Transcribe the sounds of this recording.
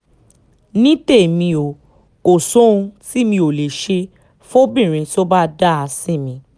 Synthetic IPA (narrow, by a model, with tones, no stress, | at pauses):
nĩ˦te˦˨mĩ˧o˨ | ko˨sõ˨˦ũ˧ti˦˨mĩ˧o˨le˨ʃe˧ | fo˦bĩ˦˨ɾ̃ĩ˧ti˦o˦ba˦da˦˨a˧sĩ˦˨mĩ˨˧